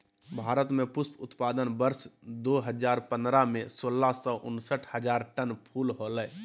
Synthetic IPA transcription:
bʱaːɾət̪mepʊspʰʊt̪paːd̪ənbəɾsd̪oːɦəd͡ʒaːɾpə̃nd̪ɾamẽsoːlːasɔʔʊnsəʈʰhəd͡ʒaːɾʈənpʰuːlɦolɛ

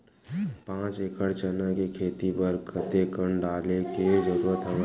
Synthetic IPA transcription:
pãːt͡ʃeːkəɽt͡ʃənakekʰeːt̪ipəɾkʰət̪ekəɳɖaːleked͡ʒəɾuɾət̪ɦəm

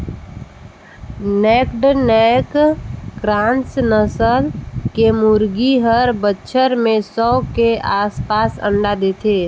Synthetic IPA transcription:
nekɖnɛkkɾãːnsnəsəlkemʊɾɡiɦəɾbətːʃʰəɾmẽsɔkeaːspaːsə̰̃ɳɖad̪eːt̪ʰeː

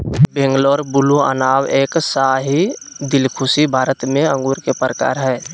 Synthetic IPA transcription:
bẽŋɡlɔːɾbʊlua̰naːweːksaɦi | d̪ɪlkʰʊsibʱaːɾət̪mẽə̃ŋɡuːɾkepɾəka̰ːɾɦɛː

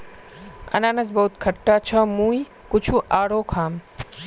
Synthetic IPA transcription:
ə̰naːnəd͡ʒbəɦut̪kʰəʈːat͡ʃʰəmũːi | kʊt͡ʃʰuʔaːɽokʰaːm

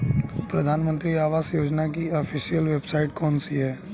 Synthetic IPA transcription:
pɾɐd̪ʱaːnmə̃nt̪ɾiaːʋaːsjoːd͡ʒnak̬iɔfʰiʃijəlʋeːbsaːɪʈkɔːnsiɦɛː

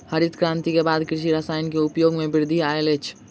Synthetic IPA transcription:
həɾit̪kɾãːnt̪ikebaːd̪kɾɪʃiɾasaːɪnkeʊpjoːɡmẽbɪɾd̪ʱiaːelet͡ʃʰ

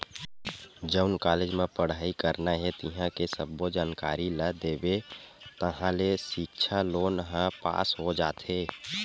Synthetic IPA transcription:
d͡ʒəʊnkaːled͡ʒmẽpəɽ̤aːikəɾnaɦɛt̪iɦãkesəbːod͡ʒaːnkaːɾiləd̪eːbet̪əɦãlesik̚t͡ʃʰaloːnɦə̃pa̰ːsɦod͡ʒaːt̪ʰe

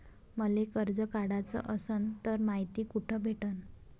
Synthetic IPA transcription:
məlekəɾd͡zəkaɽat͡sə̰ʔəsənt̪əɾmaɦit̪iːkuʈʰəbʱeʈən

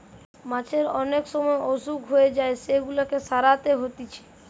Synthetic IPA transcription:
mãt͡ʃʰeɾɔnekʃɔmɔeʔosukɦoed͡ʒaeseɡulakesaɾat̪eɦot̪it͡ʃʰe̥

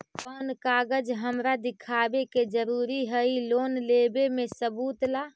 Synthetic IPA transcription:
ənkaɡəd͡ʒɦəmɾad̪ɪkʰabeked͡ʒəɾuɾiɦəiloːnlebemesəbuːt̪la

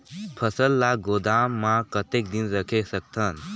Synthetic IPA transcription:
pʰəsəlːaɡod̪aːmːãkət̪ek̚d̪inɾəkʰesək̚t̪ʰən

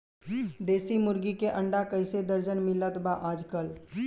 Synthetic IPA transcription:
d̪esimuɾɡikeʔəɳɖakəɪsed̪əɾd͡ʒənmilət̪baʔad͡ʒkəl

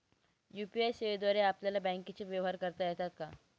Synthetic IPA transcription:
juːpiajseʋed̪waːɾeaːplalabɛ̃ːŋket͡ʃeʋjaʋɦaːɾkəɾt̪aɛɦt̪ʰat̪̚kaː

